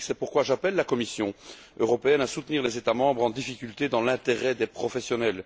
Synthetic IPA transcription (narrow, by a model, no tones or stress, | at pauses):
sɛpuʁkwaʒapɛlːakɔmisjɔ̃ | øʁɔpeɛnasut̪niːʁlezet̪amɑ̃bʁɑ̃d̪ifikʲylt̪ed̪ɑ̃lɛ̃t̪eʁɛd̪epχɔfɛsjɔnɛl